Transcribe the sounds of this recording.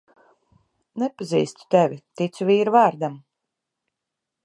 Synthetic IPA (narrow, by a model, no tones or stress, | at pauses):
nɛpazḭːst̪u̥t̪ɛvʲit̪it̪suviːɾvaːɾd̪am